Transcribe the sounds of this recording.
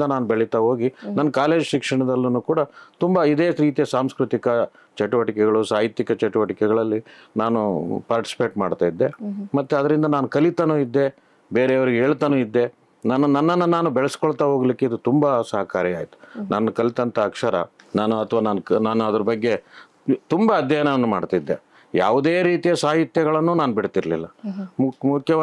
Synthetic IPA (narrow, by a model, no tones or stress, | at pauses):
nd̪ɐnaːnubeɭit̪aɦo̞ːɡinɐnːɐkaːle̞ːd͡ʒʃikʂɐɳɐd̪ɐlːunuːkuːɽɐt̪umbɐid̪e̞ːɾiːt̪ijɐsaːmskɾut̪ikɐ | t͡ʃɐʈuʋɐʈikɛɡɐɭusaːjit̪jikɐt͡ʃɐʈuʋɐʈikɛɡɐɭɐlːi | naːnṵpaːɾʈi̥si̥peːʈmaːɖt̪aːjid̪ːe̞mɐt̪ːeɐd̪ɐɾind̪ɐnaːnukɐlit̪ɐnuːid̪ːe̞ | beːɾeɐʋɐɾiɡeɦeːɭt̪anuːid̪ːe̞ | naːnunɐnːɐnːɐnaːnubɛɭɐsi̥koɭt̪aɦo̞ːɡlikːe̞id̪ut̪umbɐsɐɦɐkaːɾjiaːjit̪u̥nanːɐkɐlit̪ɐnt̪ɐːkʂɐɾɐ̰naːnuɐt̪ʰɐʋaːnaːnknaːnuɐd̪ɐɾɐbɐɡːe̞ | t̪umbɐːd̪ʱjɐjnɐʋɐnːumaːɽt̪aid̪ːe̞ | jaːʋud̪eːɾiːt̪ijɐsaːɦit̪jɐɡɐɭɐnːuːnaːnubiɽt̪iɾlilːɐmmukʰjɐ